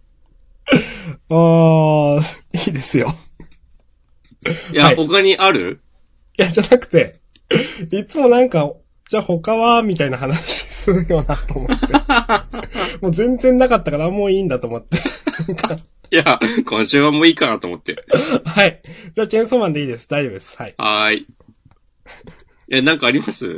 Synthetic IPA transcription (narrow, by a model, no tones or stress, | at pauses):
aː | iːd̪e̞sɨjo̞ | jaiho̞kaɲ̟iʔaɾɯ̟̰ | jad͡ʑanakɯ̟̥t̪e̞ | it͡sɨmo̞nãŋka | d͡ʑaːho̞kaβamʲit̪ainaɦanaɕi̥sɨɯjoːnat̪ːo̞ːmot̪ːe | mo̞ːzẽ̞nd͡zẽ̞nːakat̪ːakaɾamoːĩːnd̪at̪o̞ːmo̞t̪ːe̞nãŋka | jakʰõ̞ɰ̃ɕɨːβamoːiːkanat̪omo̞t̪ːe̞haid͡ʑaːt͡ɕẽɰ̃somãnd̪eiːd̪e̞sɨ̥d̪aiʑo̞bɯ̟d̪esɨ̥haihai | janãŋkaːɾʲimasɨ̰